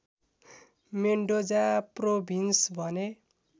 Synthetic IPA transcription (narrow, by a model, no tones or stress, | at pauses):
meɳɖod͡zaprobʱinsbʱʌne